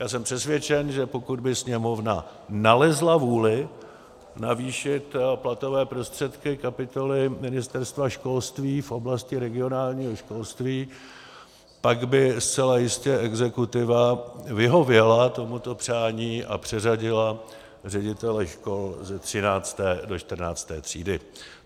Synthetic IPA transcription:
jaːs̬ɛmpr̥ɛsvjɛt͡ʃɛnʒɛpo̞kud̪̚bɪsɲɛmo̞vna̰ | nalɛzlavuːlɪ | naviːʃɪt̪plat̪o̞vɛːpɾo̞st̪r̥ɛt̪kɪkapɪt̪o̞lɪmɪnɪst̪ɛɾst̪vaʃko̞lst̪viːfʔo̞blascɪɾɛɡɪo̞naːlɲiːɦoʃko̞lst̪viː | paɡbɪst͡sɛlajɪscɛʔɛɡzɛkut̪ɪvavɪɦo̞vjɛlat̪o̞mut̪o̞pr̝̥aːɲiːʔa̰pr̥ɛzaɟɪla | rɛɟɪt̪ɛlɛʃko̞lzɛt̪r̝̥ɪnaːt͡st̪ɛːdo̞t͡ʃt̪r̩naːt͡st̪ɛːt̪r̝̥ḭːdɪ

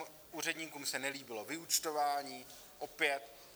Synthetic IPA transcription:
ʔuːɾɛdɲiːkuːmsɛnɛliːbɪlo̞vɪut͡ʃt̪o̞vaːɲiː | ʔo̞pjɛt̪

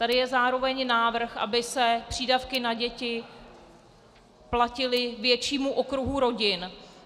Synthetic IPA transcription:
t̪adɪjɛzaːɾo̞vɛɲnaːvr̩xʔa̰bɪsɛpr̝̥iːdafkɪnaɟɛcɪ | placɪlɪvjɛt͡ʃiːmuʔo̞kɾuɦuɾo̞ɟɪn

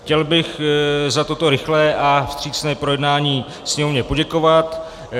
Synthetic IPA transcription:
xcɛlbɪxzat̪o̞t̪o̞ɾɪxlɛːʔafst̪r̝̥iːt͡snɛːpɾo̞jɛdnaːɲiː | sɲɛmovɲɛpo̞ɟɛko̞vat̪

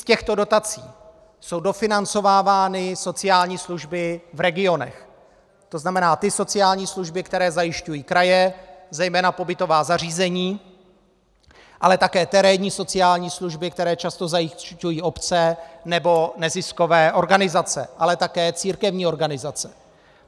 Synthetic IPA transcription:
scɛxt̪o̞do̞t̪at͡siː | so̞wdo̞fɪnant͡so̞vaːvaːnɪso̞t͡sɪjaːlɲiːsluʒbɪvɾɛɡɪo̞nɛ̰x | t̪o̞znamɛnaːt̪ɪso̞t͡sɪjaːlɲiːsluʒbɪkt̪ɛɾɛːzajɪʃcujiːkɾajɛzɛjmɛːnapo̞bɪt̪o̞vaːzar̝iːzɛɲiː | ʔa̰lɛt̪akɛːt̪ɛɾɛːɲiːso̞t͡sɪjaːlɲiːsluʒbɪk̚t̪ɛɾɛːt͡ʃast̪o̞zajɪʃcujiːʔo̞pt͡sɛnɛbo̞nɛzɪsko̞vɛːʔo̞ɾɡanɪzat͡sɛ̰ʔalɛt̪akɛːt͡siːɾkɛvɲiːo̞ɾɡanɪzat͡sɛ̥

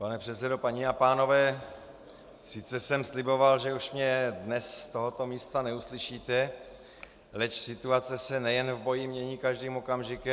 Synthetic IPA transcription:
panɛpr̥ɛt̪t͡sɛdo̞paɲiapaːno̞vɛː | sɪt͡sɛsɛmslɪbo̞valʒɛuʃmɲɛdnɛsst̪o̞ɦo̞t̪o̞miːst̪anɛuslɪʃiːt̪ɛ | lɛcsɪt̪uat͡sɛsɛnɛjɛnvbo̞jɪmɲɛɲiːkaʒdiːmo̞kamʒɪkɛm

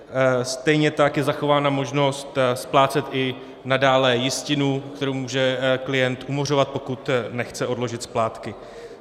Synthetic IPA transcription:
st̪ɛjɲɛt̪akjɛzaxo̞vaːnamo̞ʒno̞st̪splaːt͡sɛt̪ʔɪ | nadaːlɛjɪscɪnukt̪ɛɾowmuːʒɛklɪjɛnt̪ʔumo̞r̝o̞vat̪̚po̞kut̪nɛxt͡sɛʔo̞dlo̞ʒɪt̪splaːt̪kɪ

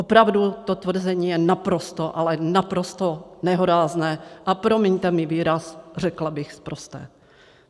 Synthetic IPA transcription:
ʔopɾavdut̪o̞t̪vr̩zɛɲiːjɛnapɾo̞st̪o̞ʔalɛnapɾost̪onɛɦoɾaːznɛːʔapɾomiɲt̪ɛmɪviːɾasr̝ɛklabɪxspɾost̪ɛ̰ː

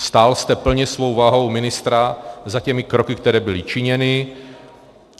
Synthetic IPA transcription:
st̪aːlst̪ɛpl̩ɲɛsvo̞wvaːɦo̞wmɪnɪst̪ɾazacɛmɪkɾokɪk̚t̪ɛɾɛːbɪlɪt͡ʃɪɲɛnɪ

